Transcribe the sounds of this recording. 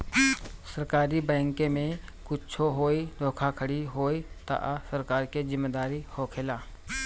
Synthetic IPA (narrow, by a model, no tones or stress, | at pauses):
səɾkaːɾibɛ̃ːŋkemẽkʊt͡ʃt͡ʃʰoɦoːid̪oːkʰakʰəɽiɦoːit̪a̰ʔasəɾkaːɾked͡ʒɪmːeːd̪aːɾihokʰelaː